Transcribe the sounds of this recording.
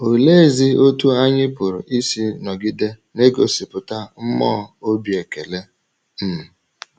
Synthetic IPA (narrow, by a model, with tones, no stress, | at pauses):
o˨le˦˨zi˦o˦tu˦a˦ɲɪ˦pʊ˨ɾʊ̰˨ʔi˦si˦nɔ˨ɡɪ˦de˦ | ne˦ɡo˨si˨pʊ˨ta˦m̩˦mɔ˦o˦bje˨ke˨le˦ | m̩˨